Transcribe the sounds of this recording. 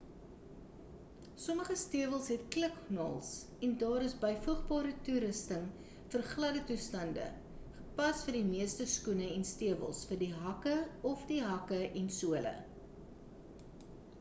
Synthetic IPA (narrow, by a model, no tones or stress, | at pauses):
sɔməχəstiəvəlˠsɦɛtkləknɑ̰ːlˠs | ɛndɑːɾəsbəjfuχbɑːɾətuɾəstəŋ | fərχlɐdətustɐndə̰ | χəpɐsfərdimiəstəskunəɛnstiəvə̰lˠsfərdiɦɐkəɔfdiɦɐkəʔɛnsuələ̰